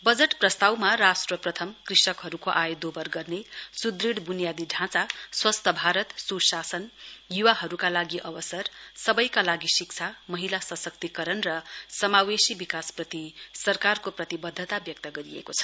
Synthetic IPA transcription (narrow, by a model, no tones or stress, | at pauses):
bʌd͡zeʈprʌst̪awmarasʈrʌprʌt̪ʰʌmkrisʌkɦʌɾukoʔajod̪obʌrɡʌrnesud̪riɽbunijad̪iɖʱãt͡saswʌst̪ʰʌbʱaɾʌt̪susasʌnjuwaɦʌɾukalaɡiʔʌwʌsʌrsʌbʌjkalaɡisik̚t͡sʰamʌɦilasʌsʌk̚t̪ikʌɾʌnrʌsʌmawesibikasprʌt̪isʌrkarkoprʌt̪ibʌd̪ʱːʌt̪abjʌk̚t̪ʌɡʌɾiḛkot͡sʰʌ̥